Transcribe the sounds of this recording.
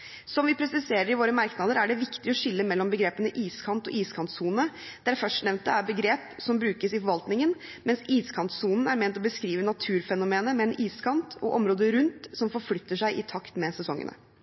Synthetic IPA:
sɔmʋɪpʰɾɛsɪseːɾəɾɪʋoːɾəmɑɾknɑd̪əɾæɖɛʋɪkt̪ɪɔʃɪlːəmɛlːɔmbəɡɾeːpənəʔiːskʰɑnt̪ɔ̰ʔiːskʰɑnt̪suːnnə | d̪̥æɾfœʂʈnɛʋnt̪̚d̪ɛæɾbəɡɾeːpsɔmbɾʉːkəsɪfɔɾʋɑlt̪nɪŋənmɛnsiːskʰɑnt̪suːnn̩æɾmɛːnt̪ɔbəskɾiːʋənɑt̪ʰʉːɾfɛnʊmeːnəmɛɛnʔiːskʰɑnt̪ʰɔ̰ʔɔmɾoːd̪əɾʉnt̪sɔmfɔɾflʏt̪ːəʂæɪʔɪt̪ʰɑkt̪mɛsɛsɔŋːə̰nə̰

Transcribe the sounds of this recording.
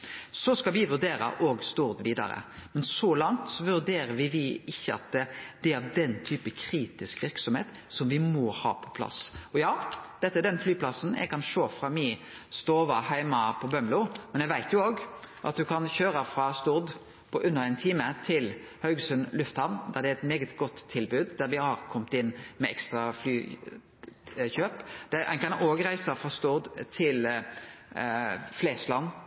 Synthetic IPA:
sɔskɑlʋɪʋʉɾd̪eːɾə̰ʔoːɡst̪ʊɾd̪ʋiːd̪ɑ̰ɾə̰mɛnsɔlɑŋt̪sɔʋʉʁd̪eːɾəʋɪʋɪɪçːəɑ̰t̪̚d̪ɛd̪̥ɛæɾɑʋd̪ɛnt̪ʰyːpəkʰɾiːt̪ɪskʋɪɾksɔmhḛːt̪ | sɔmʋɪmɔhɑ̰ːpʰɔ̥pʰlɑ̰sɔjɑːd̪̥ɛt̪ːəæɖ̪ɛnflyːpʰlɑsən̩jʔæ̰ɡkʰɑnʂoːfɾɑmɪ | st̪oːʋɑhæɪmɑpʰɔbœmbluːmɛnjɛɪʋæɪt̪jʊoːɡʔɑt̪̚d̪ʉkʰɑnçøːɾəfɾɑst̪ʊʁd̪ | pʰɔʔʉnːəɾæɪnt̪ʰiːmət̪ʰɪl | hœʉɡsʉnlʉft̪hɑʁnd̪æʁd̪ɛæɛt̪meːɡət̪ɡɔt̪ʰːɪlbʉːd̪d̪æɾʋɪhɑɾkʰɔmt̪ɪnːmɛɛkst̪ɾɑflyː | çøːpd̪̥ɛʔɛ̰nkʰɑnoːɡɾæɪsəfʁɑst̪ʊʁd̪t̪ʰɪl | fleːslɑnː

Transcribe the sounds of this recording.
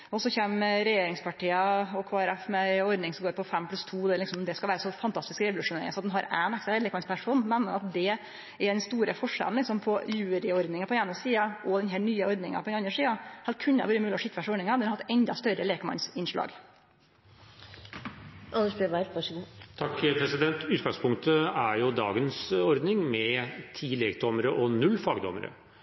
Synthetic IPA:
ɔsɔçeːmɾɛjeːɾɪŋspʰɑʈiːəɔkʰoːɛɾɛfmɛɔɾd̪nɪŋsɔmɡoːɾpɔfɛmːpʰlʉst̪ʰuːd̪ɛlɪksɔmd̪ɛskɑʋæːɾəsɔfɑnt̪ʰɑst̪ɪskɾɛʋʊlʉʂʊneːɾɪ̰ŋəsɔɑt̪d̪ɛnɦɑɾænɛkst̪ːleːkmɑnspʰæʂuːnmɛnːə̰ɑt̪̚d̪ɛ | ɛɖɛnst̪uːɾəfɔʂɛ̰ln̩lɪksɔmpʰɔjʉːɾɪɔɾd̪nɪŋəɑpɔd̪ɛeːnəsiːɑʔɔd̪ɛnɦɛːɳyːəɔɾd̪nɪŋɑ̰pʰɔd̪ɛnɑnd̪ɾəʂsiːɑhɑlkʰʉnːəɛ̰ʋʉːɾəmʉːlɪɔʂɪt̪ːfæʂɔɾnɪŋɑd̪ɛnhɑɾɑt̪ːɛnd̪ɑst̪œɾəleːkmɑ̰nsɪnʂɭɑ̰ːɡ | ʔɑnəʂbeʋæɾʋɑʂəɡuːt̪ʰɑkːpʰɾɛsɪd̪ɛnt̪ʉːt̪ɡɑŋspʰʊŋk̚t̪əæɾjʊd̪ɑ̰ːɡənsɔɾd̪nɪŋmɛt̪ʰiːleːk̚d̪ɔməɾəʔɔnʉlːfɑːɡd̪ɔmə̰ɾə̰

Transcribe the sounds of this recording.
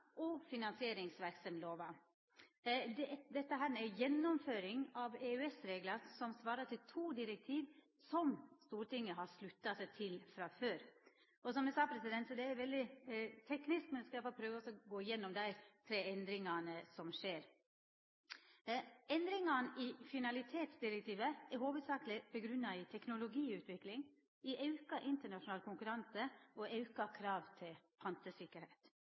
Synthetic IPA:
ʔɔfɪnɑnsɪeːɾɪŋsʋæɾksɔmloːʋɑ | d̪d̪ɛt̪ːəɦæːɾmɛæjɛnːɔmføːɾɪŋɑʋeʉɛsɾeːɡlɑɾsɔmsʋɑːɾɑʈ̪ɪlt̪ʰuːd̪ɪɾɛk̚t̪ʰiːʋ | sɔmst̪uːɾʈɪŋːəɦɑʂlʉt̪ːɑsæt̪ʰɪlfɾɑføːɾ | ɔsɔmd̪ɛsɑːpʰɾɛsɪd̪ɛnt̪sɔd̪ɛæɾʋɛld̪ɪt̪ʰɛknɪsk̚mɛnd̪ɛskɑfɔpʰɾøːʋəɔsɔɡoːɪjɛnːɔmd̪æɪt̪ʰɾeːɛnd̪ɾɪŋɑnəsɔmʂeːɾ | ɛnd̪ɾɪŋɑnʔɪfɪnɑlɪt̪ʰeːt̪sd̪ɪɾɛk̚t̪ʰiːʋəɛɾɦoːʋəd̪sɑːklɪbɛɡɾʉnːɑɪt̪ʰɛknʊlʊɡiːʉːt̪ʋɪklɪŋ | ɪʔɑʉkɑʔɪnt̪əɳɑʂʊnɑːlkʰʊŋkʉɾɑnsəɔʔɑʉkɑkʰɾɑːʋt̪ʰɪlpʰɑnt̪əsɪkːəɾheɪt̪

